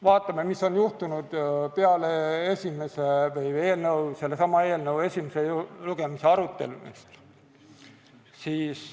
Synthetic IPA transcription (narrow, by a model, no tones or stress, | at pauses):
vɑːt̪ːˑɑmemiso̞njuht̪unud̪̥peɑleesʲime̞sevɤje̞ːlnɤwse̞lːe̞sɑmɑe̞ːlnɤwe̞sʲimese̞luɡ̥e̞mise̞ɑɾut̪ːe̞̰lumest̪ | siːs